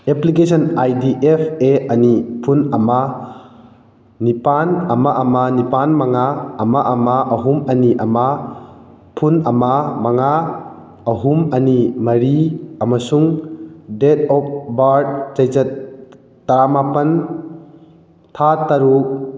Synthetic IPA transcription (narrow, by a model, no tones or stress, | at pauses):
eplikesʰɔnajdiʔepʰeɐnipʰunɐma | nipanɐmaʔɐmanipanmaŋaːmaʔɐmaʔɐɦumɐniʔɐma | pʰunɐmamaŋa | ɐɦumɐnimɐɾiɐmɐsuŋdetɔp̚ʰbaɾd̚d͡ʒɐjzɐt̪̚ː | ɐɾamapɐn | t̪ʰat̪aɾuk̚